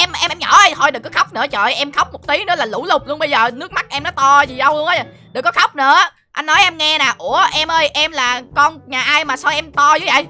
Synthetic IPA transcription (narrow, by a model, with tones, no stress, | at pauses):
ʔɛ˧m˨ʔɛ˧mʔɛ˧mɲɔ̰˧˩ə˧o˧jɗɨ˨˩kːɔ˨˦xa˦˥wk͡p̚nɨ̰˧˥ət͡ɕə̰ː˧˨jʔɛ˧mxa˦˥wk͡p̚mo˨˩t̚t̪i˨˦nɨ̰˧˥laː˨˩lṵ˧˩lʊ˨˩k͡p̚lu˧ənɓə˧jzəː˨˩nɨ˦˥ək̚ma˦˥k̚ʔɛ˧mnɔ˨˦t̪ɔ˧zi˨˩ɗə˧wʔj | ɗɨ˨˩kːɔ˨˦xa˦˥wk͡p̚nɨ̰˧˥ə | ʔa˧jn̟nɔ˨˦jʔɛ˧mŋɛ˧naː˨˩ʔu˧˩əʔɛ˧mʔəː˧jʔɛ˧mlaː˨˩kɔ˧nɲaː˨˩ʔaː˧jmaː˨˩sa˧wʔɛ˧mt̪ɔ˧zu˧˨˦və̰˧˨j